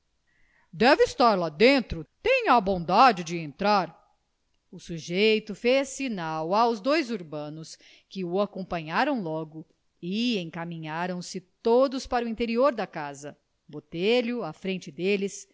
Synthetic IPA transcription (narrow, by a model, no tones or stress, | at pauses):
d̪ɛvɪist̪aɾlad̪ẽnt̪ɾʊt̪ẽɲɐbõd̪ad͡ʒɪd͡ʒɪẽnt̪ɾaɾ | ʊsuʒejt̪ʊfesinawawzd̪ojzuɾbɐ̃nʊs | kɪʊakõmpɐ̃ɲaɾɐ̃w̃lɔɡʊ | ɪẽkamĩɲaɾɐ̃w̃sɪt̪od̪ʊspaɾʊĩnt̪eɾioɾd̪ɐkazɐ | bot̪eʎʊɐfɾẽnt͡ʃɪd̪elɪs